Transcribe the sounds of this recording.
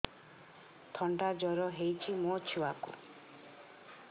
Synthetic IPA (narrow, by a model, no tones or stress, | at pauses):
t̪ʰɔɳɖad͡ʒɔɾɔɦejt͡ʃʰimot͡ʃʰuwakṵ